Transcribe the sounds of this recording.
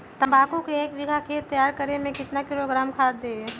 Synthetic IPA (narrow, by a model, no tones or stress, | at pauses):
t̪ɐ̃mbaːkukeeːkʋɪɡʱakʰeːt̪ːɐjaːɾkɐɾemẽkɪt̪nakɪloːɡɾaːmkʰaːd̪ːeː